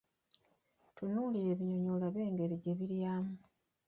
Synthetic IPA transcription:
tunuːliɾe̞βiɲo̞ɲolaβe̞ːŋɡe̞ɾiɟe̞βiɾjaːmu

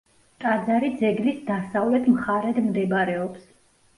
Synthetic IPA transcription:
t̪ʼad̪zaɾid̪zɛɡlisd̪asavlɛt̪ʰmχaɾɛd̪md̪ɛbɾɛɔps

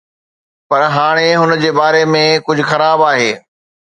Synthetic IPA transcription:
pɐɾɦaːɽ̃eɦʊnəd͡ʑeːbaːɾemẽkʊd͡ʑʱʊxɐɾaːbaːɦeː

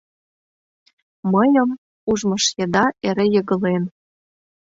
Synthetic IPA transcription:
məjɤ̆m | uʒmɤ̆ʃjed̪ɑʔeɾĕjɤɣə̆len

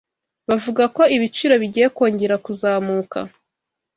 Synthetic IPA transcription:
βavuɡako̞iβit͡ʃiːɾo̞βiɟijeko̞ːɲɟe̞ɾakuzaːmuːka̰

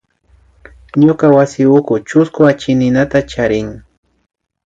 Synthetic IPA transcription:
ɲokawasɪʊkʊt͡ʃʊskʊat͡ʃɪnɪnat̪at͡ʃaɾɪŋ

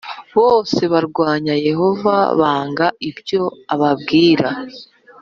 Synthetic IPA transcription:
βo̞ːse̞βaɾɡwaːɲaje̞ɦo̞va̰βaːŋɡaibjo̞aβaβɡiːɾa

